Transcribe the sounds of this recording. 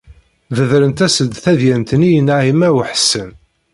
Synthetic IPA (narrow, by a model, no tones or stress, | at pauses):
ðəðɾənt̪æsəd̪θæðjænt̪ənijənaʕimæwəħə̥sːən